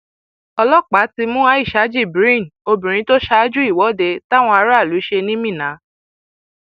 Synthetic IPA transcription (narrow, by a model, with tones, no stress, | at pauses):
ɔ˧lɔ˦˨k͡pa˨˦ti˧mũ˦a˦i˦˨ʃa˨˦d͡ʒi˦˨bɾĩ˦˨no˧bĩ˨ɾ̃ĩ˧˦to˦ʃa˧˦d͡ʒu˦i˦˨wɔ˨˦de˧ta˦w̃ɔ̃˧a˧ɾa˦˨lu˨˦i˦ʃe˧nĩ˦mĩ˦˨nã˨˦